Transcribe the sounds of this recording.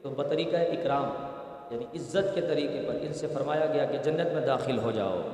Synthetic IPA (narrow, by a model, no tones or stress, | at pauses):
t̪obɐt̪ɐɾiːkaeʔɪkɾaːm | jaːniɪzːət̪ket̪ɐɾiːqepɐɾɪnsefɐɾmaːjaɡɐjaked͡ʒɐnːət̪mẽd̪aːxɪlɦod͡ʒa̰ːo̰ː